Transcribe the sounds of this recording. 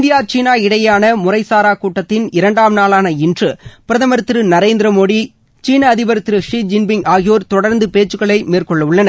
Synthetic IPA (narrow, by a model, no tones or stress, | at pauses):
ɪnd̪ɪjaːt͡ʃiːnaːɪɽɐjaːnɐmʊrɐɪsaːɾaːkuːʈːɐt̪ːɪnɪɾɐɳɖaːmnaːɭaːnɐɪndrɯpɪɾɐðɐmɐɾɯt̪ːɾɯnɐɾeːnd̪ɪɾɐmoːɽi | t͡ʃiːnɐːðɪbɐɾɯt̪ːɾɯʂiːd͡ʒɪnbɪŋaːɣɪjoːɾt̪ɔɽɐɾnd̪ɯpeːt͡ʃːɯɣɐɭɐɪmeːrkɔɭːɐʋɯɭːɐnɐ